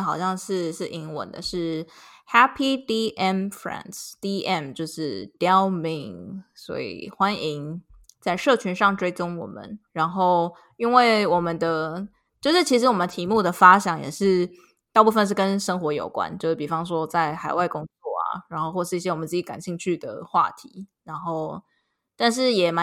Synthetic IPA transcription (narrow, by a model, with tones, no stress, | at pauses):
xɑ˨˩ʊɕjɑ˥˧ŋʂɻ̩˥˧ʂɻ̩˥˩ʔi˧˥ŋwə̰˨˩˦nd̪ə̰˦ʂɻ̩˥˩ha˥pʰi˧d̪i˥ʔɛ˥˩mfɹɛ̰˧˩nsd̪̥i˧ɛ˥˩mt͡ɕjo˥˧ʊʂɻ̩˥˩d̪ɛ˦˥˦ʊmi˧˩ŋswɔ̰˧˥ḭ˨˩xwa˦ni˧˥ŋ | t͡sa˥˧ɪʂɤ˥˩t͡ɕʰy˧˥nʂɑ˥˩ŋʈ͡ʂwe˥ɪt͡sʊ˥ŋwɔ̰˨˩mə̰˦nɻa˧˥nxo˥˩ʊ | i˦˥nwe˥˩ɪwɔ˨˩mə˦nd̪ə˧ | t͡ɕjo˥˧ʊʂɻ̩˥˩t͡ɕʰi˧˥ʂ̬ɻ̩˧˥wɔ˨˩mə˨nt̪ʰi˧˥mu˥˩d̪ə˩fa˥ɕjɑ˨˥˦ŋjɛ̰˨˩ʂɻ̩˥˧ | t̪a˥˧ʊpu˥˧fə˧nʂ̬̩˥˩kə˦nʂə˥ŋxwɔ˧˥jo̰˨˩ʊkwa̰˦nt͡ɕo˥˧ʂ̩˥˩pi˨˩fɑ˥ŋʂwɔ˥t͡sa˥˩ɪxa˨˩ɪwa˥˩ɪkʊ˥ŋt͡swɔ˥˩a̰˨˩ɻa˧˥nxo˥˧ʊxwɔ˥˧ʂɻ̩˥˧i˥˩ɕjɛ˥wɔ˨˩mə˦t͡sɹ̩˥˩t͡ɕi˨˥ka̰˨˩nɕi˥˧ŋt͡ɕʰy˥˩d̪ə̰˩xwa̰˥˩t̪ʰi˧˥ɻa˧˥nxo˥˩ʊ | t̪a˥˧nʂ̬ɻ̩˥˩jɛ˨˩ma˧˦